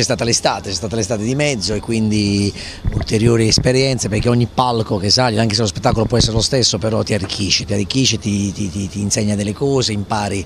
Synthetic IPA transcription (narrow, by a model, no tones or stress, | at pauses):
t͡ʃɛst̪aːt̪alest̪aːt̪e̥t͡ʃɛst̪aːt̪alest̪aːt̪ed̪imɛd̪zːoekːwind̪i | ult̪eɾjoːɾiespeɾjɛnt̪seperk̟eɔɲːipːalkok̟esːaʎːoaŋkes̬elospet̪ːakolopwɔɛsːeɾelost̪esːopeɾɔt̪ːiarːikʰːiʃːit̪iarːikːiʃːit̪it̪it̪it̪iːnsɛɲːad̪elːekɔːzeimpaːɾi